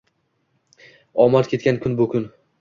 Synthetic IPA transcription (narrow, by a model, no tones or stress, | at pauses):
ɒmaɾkʲʰe̞t̪̚kʲankʲʰʊnbʊkʰʲʊn